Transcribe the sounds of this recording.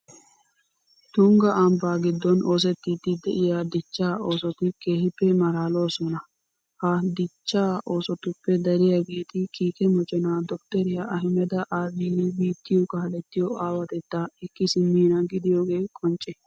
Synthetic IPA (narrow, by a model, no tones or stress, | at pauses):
t̪ʊŋɡɐʔɐmbaːɡɪd̪ːɔnʔo̞ːs̬ɛt̪ːɪd̪ɪd̪ɛʔɪjad̪ɪt͡ʃːaːo̞ːsɔt̪ɪke̞ːhɪpːɛmɐɾaːlo̞ːsɔnɐ | hɐd̪ɪt͡ʃːaːʔo̞ːsɔt̪ʊpːɛd̪ɐɾɪjaɡeːt̪ɪkiːkɛmɔt͡ʃʼɛnaːd̪ɔkt̪ɛɾɪjɐʔɐɦɪmɛd̪ɐʔaːbiːlibiːt̪ːɪjɔkɐhɐlɛt̪ːɪjɔaːwɐt̪ɛt̪ːaɛkːɪsɪmiːnɐɡɪd̪ɪjo̞ːɡe̞ːkʼɔnt͡ʃʼːɛ